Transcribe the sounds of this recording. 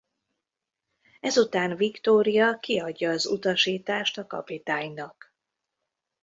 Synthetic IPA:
ɛzut̪aːnvikt̪oːɾijɒkiɒɟːɒːzṵt̪ɒʃiːt̪aːʃt̪ɒkɒ̰pit̪aːɲnɒk

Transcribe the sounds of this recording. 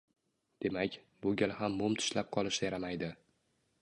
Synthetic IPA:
d̪̥e̞makʲ | bʊɡʲalhamːʊmt̪ʰʊ̥ʃlap̚qʰɒlˠɪʃajaɾamajd̪ɪ

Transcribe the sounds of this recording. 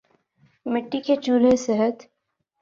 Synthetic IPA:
mɪʈːiket͡ʃuːɾesɛɦət̪

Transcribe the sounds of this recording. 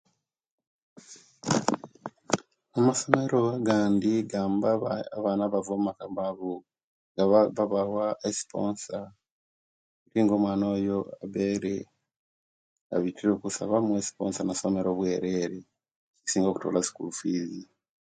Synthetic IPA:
amaso̞me̞ɾoɡaːndiɡaːmbaːβaːnaβavomumakambaβu | ɡaaβawaʔesi̥poːnsa | etiːŋɡoːmwaːnoːjoa̰βeɾe | a̰βitiɾokusa̰βamwesi̥poːnsanasome̞ɾoβweːɾeɾe | isiːŋɡoku̥to̰ːlasi̥kṵlufiːzi

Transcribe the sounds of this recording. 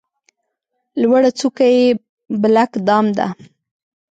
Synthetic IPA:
lwaɽat͡sukaje | blakd̪ɑmd̪a̰

